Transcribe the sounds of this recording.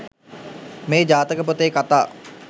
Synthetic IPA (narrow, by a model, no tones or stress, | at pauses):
meːd͡ʒaːt̪əkəp̬ot̪eːkat̪a̰ː